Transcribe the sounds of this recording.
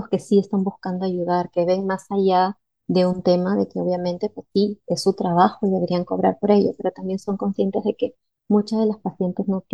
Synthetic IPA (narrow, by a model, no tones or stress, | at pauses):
oske̞sie̞st̪ambuskand̪o̞aʝuðaɾke̞βe̞ŋmasaʝa | ðe̞unt̪e̞maðe̞ke̞o̞β̞jamẽ̞nt̪e̞pwe̞sːie̞sːut̪ɾaβaxo̞iðe̞βe̞ɾiaŋko̞̰βɾa̰ɾpo̞ɾe̞ʝospe̞ɾo̞t̪ambje̞nso̞ŋko̞nsje̞nt̪e̞zð̞eke̞ | mut͡ʃazðe̞laspasje̞nt̪e̞zno